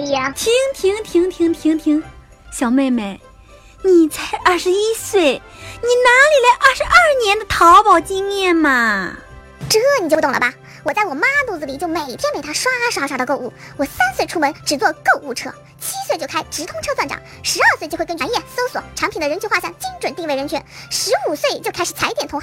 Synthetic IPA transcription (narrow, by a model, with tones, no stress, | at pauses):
t̪ʰi˧˥ŋt̪ʰi˧˥ŋt̪ʰi˧˥ŋt̪ʰi˧˥ŋt̪ʰi˧˥ŋt̪ʰi˧˥ŋ | ɕjɑ˨˩ʊme˥˩ɪme˥˩ɪ | ni˨˩t͡sa˥˩ɪɐ˞˥˩ʂɻ̩˧˥i˥swe˥˩ɪ | ni˨˩na˧˥li˨˩la˧˥ɪʔɐ˞˥˩ʂɻ̩˧˥ɐ˞˥˩njɛ˧˥nd̪ə˧t̪ʰɑ˧˥ʊpɑ˨˩ʊt͡ɕi˥ŋmjɛ˥˩nmɐ˨˩ | ʈ͡ʂ̩˥˩ni˨˩t͡ɕjo˧t̪ʊ˥˩ŋlə̰˩bɐ˩ | wɔ˨˩t͡sa˥˩ɪwɔ˨˩ma˥t̪u˥˧˩d͡zɹ̩˩li˨˩t͡ɕjo˥˩ʊme˨˩ɪt̪ʰjɛ˥npe˨˩ɪa˥ʂwa˥a˥˩ʂɻ̩˧˥˧ʂa˥˩d̪ə˧ko˥˧ʊu˥˩wɔ˨˩sa˥nswe˥˩ɪʈ͡ʂʰu˥mə˧˥nʈ͡ʂɻ̩˨˩t͡swɔ˥˧ko˥˧u˥˩ʈ͡ʂʰɤ̰˥ | t͡ɕʰi˥swe˥˧t͡ɕjo˥˧ʊa˥ɪʈ͡ʂɻ̩˧˥t̪ʰʊ˥ŋʈ͡ʂʰɤ˥swa˥˩nʈ͡ʂɑ̰˨˩˦ŋ | ʂɻ̩˧˥ɐ˞˥˧swe˥˧t͡ɕjknt͡ɕnjɛ˥˩so˥ʊswɔ̰˨˩˦ʈ͡ʂʰɑ˧˥ŋpʰi˨˩nd̪ə˦ɻə˧˥nt͡ɕʰy˥xwa˥˧˩ɕjɑ˥˧ŋt͡ɕi˥ŋʈ͡ʂwə˨˩nt̪i˥˧we˥˩ɪɻə˧˥nt͡ɕʰɛ˧˥nʂɻ̩˧˥u˨˩swe˥˩ɪt͡ɕjo˥˧ʊkʰa˥ɪʂ̩˨˩t͡sʰa˧˥ɪ˥t̪jɛ˨˩nt̪ʰʊ˧˥x